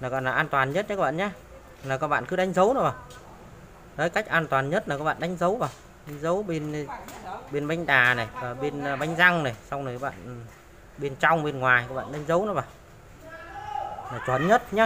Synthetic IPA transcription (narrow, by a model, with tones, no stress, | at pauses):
naː˨˩kɔ̰˧˨nlaː˨˩ʔaː˧nt̪waː˨˩nɲə˦˥t̚ɲa˧˨˦k̚ːɓa̰ː˧˨ɲaː˨˦ | laː˨˩kɔː˨˦˥k̚ɓa̰ː˧˨nkɨ˨˦ɗa˨˦jŋ̟zə˨˦wnɔ˨˦vaː˨˩w | zə˨˦jka˦˥jk̟̚ʔaː˧nt̪waː˨˩nɲə˦˥t̚naː˨˩kːɔː˨˦kɓa̰ː˧˨nɗa˨˦ŋ̟zə˨˦wvaː˨˩w | ɗa˨˦jŋ̟zə˨˦wɓe˧n | ɓe˧nɓa˨˦jŋ̟ɗaː˨˩na˨˩jaː˨˩ɓe˧n˧ɓa˨˦jŋ̟za˧ŋna˨˩jsa˧wŋ͡mnə˨˩kɓa̰ː˧˨n | ɓe˧nt͡ɕa˧wŋ͡mɓe˧nŋwaː˨˩jkaː˧˦˥kɓa̰ː˧˨nɗa˨˦ŋ̟zə˨˦wnɔ˨˦vaː˨˩ | naː˨˩t͡ɕwə˨˩nɲə˦˥t̚ɲaː˨˦